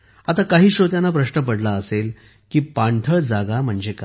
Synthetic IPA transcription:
at̪akaɦiːɕɾot̪jãnːapɾəɕnəp̬əɽlaəsel | kiːpaɳʈ̪ʰəɭd͡zaɡam̤əɳd͡ʑeka

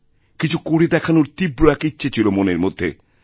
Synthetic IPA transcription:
kit͡ɕʰukoɽed̪ɛkʰanoɾt̪ibɾoɛkitːɕʰet͡ɕʰilomoneɾmod̪ʱːḛ

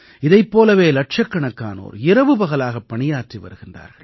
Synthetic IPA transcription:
ɪðɐɪpːoːlɐʋeːlɐʈ̚ʂɐkːɐɳɐkːaːno̰ːɾɪɾɐʋɯpɐɣɐlaːɣɐpːɐɳɪjaːʈriʋɐ̰ɾɯɣɪndra̰ːɾɣɐ̰ɭ

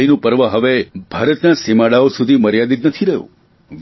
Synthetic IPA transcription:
inũpəɾʋəɦəʋebʱaːɾət̪nasimaɽaosud̪ʱiməɾjad̪it̪nət̪ʰiɾəɦṵ̃ | ʋ

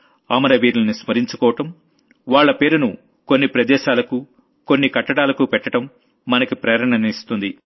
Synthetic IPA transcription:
aːmɐɾɐʋiːɾlɐnismɐɾiɲt͡ʃu̥kɔːʋɐʈɐm | ʋaːɭːɐpe̞ːɾunu | ko̞nːipɾɐd̪ɛːʃaːlɐku | ko̞nːikɐʈːɐɽaːlɐkupɛʈːɐʈɐmː | ɐnɐkipɾɐːɾɐɳɐnist̪und̪i

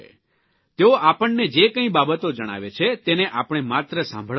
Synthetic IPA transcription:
t̪eoʔapəɳned͡ʒekə̃ĩbabət̪od͡ʒəɽ̃a̰ʋet͡ʃʰet̪eneʔapɽ̃emat̪ɾəsã̰mbʱəɭ

